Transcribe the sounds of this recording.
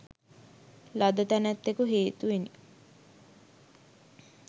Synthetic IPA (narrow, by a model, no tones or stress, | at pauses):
lad̪ət̪ænæt̪ːekuɦeːt̪uʋeni